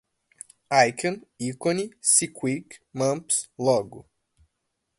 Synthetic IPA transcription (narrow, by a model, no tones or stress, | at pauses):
ajkʰɐ̃nikõnisikʰwikmɐ̃mpslɔɡʊ